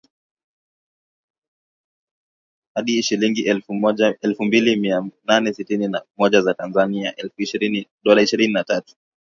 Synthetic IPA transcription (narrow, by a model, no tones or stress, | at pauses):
haɗiʃiliŋɡiʔɛlɔɛlfumbilimiananɛsitininamɔʄazatanzania̰ʔɛlfuiʃiɾiniɗɔlaiʃiɾininatatu̥